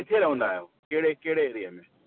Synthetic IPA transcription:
t̪ʰeːɾɐɦõːnd̪aːjoːkeːɽekeːɽeɾiəmẽː

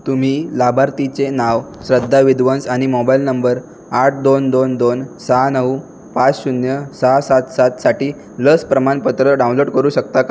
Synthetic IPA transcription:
t̪um̤iːlabʱaɾt̪it͡senaʋɕɾəd̪ʱːaʋid̪ʋənsaɽ̃imɔbailnəmbəɾ | aʈ̚ʰd̪ond̪ond̪onsaanəw | pat͡sɕunjəsəɦasat̪sat̪saʈiː | ləspɾəmanpət̪ɾəɖaũnloɽkəɾuːɕək̚t̪aka

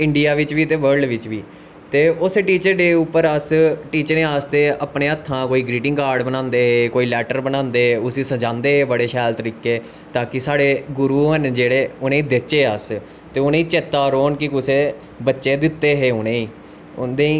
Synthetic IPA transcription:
ɪɳɖijaːʋɪt͡ʃʋiːt̪eːʋəɾɖʋɪt͡ʃʋiː | t̪eːʔʊsʈiːt͡ʃəɾd̪eːʊpəɾəsʈiːt͡ʃəɾnẽːaːst̪eːʔəpneːət̪ʰːãːkoːiːɡɾiːʈɪ̃ŋkaːɾɖbənãːnd̪eːɦeːkoːiːlɛːʈəɾbənãːnd̪eːʊsiːsəd͡ʒãːnd̪eːɦeːbəɽeːʃɛːlt̪əɾiːkeː | t̪aːkɪsaːɽeːɡʊɾuːɦənd͡ʒeːɽeːʊnẽːd̪et͡ʃeːəs | t̪eːʊnẽːt͡ʃeːt̪aːɾoːnkɪkʊseː | bətːʃeːd̪ɪt̪ːeːɦeːʊnẽːiː | ʊnd̪ẽːi

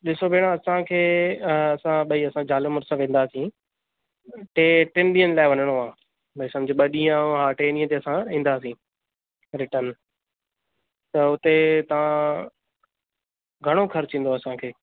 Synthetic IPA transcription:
ɗɪsobeːɽ̃ãɐsãkʰeːɐsãɓɐiɐsãd͡ʑaːlomʊɾsəʋẽːn̆d̪aːsĩ | ʈeːʈɪnɗ̪iːənlaːɪʋɐɲəɽ̃ʋãː | bɐisɐmd͡ʑiɓɐɗĩãːɦaːʈeːnĩːə̃t̪̬eɐsãĩːn̆d̪aːs̬ĩː | ɾɪʈən | t̪ɐʊt̪et̪ɐʋã | ɡʱɐɽ̃okʰɐɾt͡ɕĩːn̆d̪oɐsãkʰeː

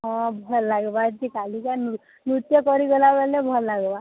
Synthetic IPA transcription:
ɦɔ̃bʱɔlːaɡɔbad͡ʒikalikan | nut̪jɔkɔɾibɔlabɛlnɛbʱɔlːaɡɔba

